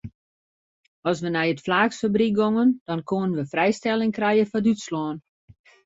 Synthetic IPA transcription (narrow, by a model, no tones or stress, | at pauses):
ɔs̬ʋənɛjətflaːksfəbrik̚ɡoŋənd̥ɔnkʰoənənʋəfrɛjstɛlˠɪŋkrɛjəfɔdytslɔːn